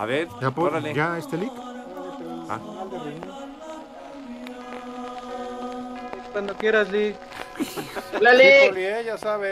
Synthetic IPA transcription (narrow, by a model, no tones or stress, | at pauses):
a̰βeɾjapojaest̪elik̪ | a̰ad̪eri | ekwand̪okjeɾaslik | laliljejasaβe